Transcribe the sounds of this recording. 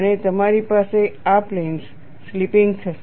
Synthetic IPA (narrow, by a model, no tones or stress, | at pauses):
net̪əmaɾipaseapleins | slipĩŋɡt̪ʰə